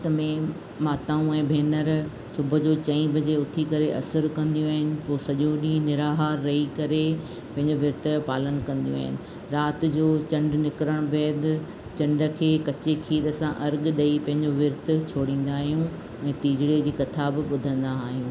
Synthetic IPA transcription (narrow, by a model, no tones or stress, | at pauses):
t̪ɐmẽ | maːt̪aːũɛ̃ːbʱeːnəɾ | sʊbʱʊd͡ʑoːt͡ɕɐ̃ĩbʱɐd͡ʑeʊt̪ʰikɐɾeʔɐsəɾkɐ̃nd̪ijũaːɦɪnɪ̆poːsɐʄoɗinɪɾaːɦaːɾːɐikɐɾe | pɐ̃ɦɪ̃ɲd͡ʑoʋɪɾt̪̆paːlənkɐ̃nd̪ijũa̰ːɦɪnɪ̆ | ɾaːt̪̆d͡ʑoːt͡ɕɐ̃ɳɖnɪkɾəɽ̃beːd̪ | t͡ɕɐ̃ɳɖə̆kʰeːkɐt͡ɕekʰiːɗ̪əsãʔɐɾɡɗɐipɐ̃ɦɪ̃ɲd͡ʑoʋɪɾt̪̆t͡ɕʰoːɽĩːn̆d̪aːɦijũ | ɛ̃ːt̪iːd͡ʑɽed͡ʑiːkɐt̪ʰabɪɓʊd̪ʱə̃nd̪aːɦijũː